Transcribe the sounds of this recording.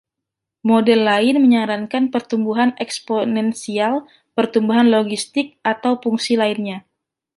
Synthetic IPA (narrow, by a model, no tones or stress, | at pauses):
modɛlːaɪnməɲaɾankanpərt̪umbuɦanɛksponɛnsial | pərt̪umbuɦanloɡist̪ɪk̚ʔat̪awfuŋsilaɪnɲa